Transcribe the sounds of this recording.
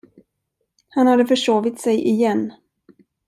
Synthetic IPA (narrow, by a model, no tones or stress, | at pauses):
hanhad̪ːəfœʂoːvɪt̪sɛjʔɪjɛnː